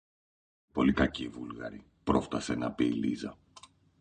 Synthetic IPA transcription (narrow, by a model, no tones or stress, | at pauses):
po̞likɐcivulɣɐ̰ɾi | pɾo̞ft̪ɐsenɐpilḭzɐ